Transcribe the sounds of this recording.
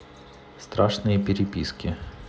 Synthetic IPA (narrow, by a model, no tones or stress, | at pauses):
st̪ɾaʂnɨjəpʲɪɾʲɪpʲiskʲɪ